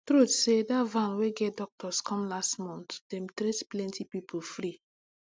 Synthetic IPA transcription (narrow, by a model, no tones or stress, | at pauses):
tɾutsedavãnweɡɛtdɔk̚tʰɔskʰɔ̃mlastmɔ̃ntd̥ɛ̃mtɾetplɛ̃ntʰipipʰofɾi